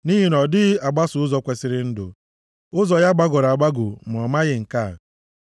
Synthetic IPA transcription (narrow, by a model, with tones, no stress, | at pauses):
ni˦ɦi˨nɔ˨dɪ˦a˨ɡ͡ba˦sʊ˨ʊ˦zɔ˦kʷe˨sɪ˨˦ɾɪ˦n̩˦dʊ̰˨ | ʊ˦zɔ˨ja˦ɡ͡ba˦ɡɔ˨ɾa˨ɡ͡ba˦ɡʊ˨m̩˨ɔ˨ma˦ɣɪ˨ŋ̩˨ka˦˨